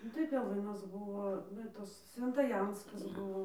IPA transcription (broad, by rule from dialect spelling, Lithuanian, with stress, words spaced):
ˈnʊ tɐɪ pʲɛˈlˠɨnɐs ˈbʊʋoː ˈʋɐ tɐs sʲʋʲɛntɐˈjɛnskɐs ˈbʊʋoː